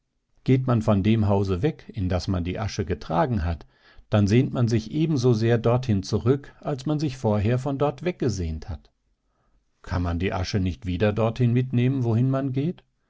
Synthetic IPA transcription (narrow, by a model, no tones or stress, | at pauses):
ɡ̥eːtmanfɔndeːmɦaʊzəvɛkɪndasmandiːʔaʃəɡətʁ̥aːɡŋ̩ɦat | d̥anzeːntmanzɪçʔeːbm̩zoːzeːɐdɔɐthɪnt͡suʁʏkʔalsmanzɪçfoːɐɦeːɐfɔndɔɐtv̥ɛk̚ɡ̥əzeːəntha̰t | kʰanmandiːʔa̰ʃənɪçtv̥iːdɐdɔɐthɪnmɪtneːmənvohɪnmanɡeːt